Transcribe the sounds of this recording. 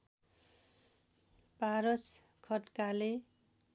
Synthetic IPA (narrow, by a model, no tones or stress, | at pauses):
paɾʌs | kʰʌtkale